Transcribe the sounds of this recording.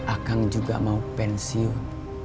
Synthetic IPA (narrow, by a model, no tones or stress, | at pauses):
ʔakaŋd͡ʒuɡa̰maupɛnsiɔn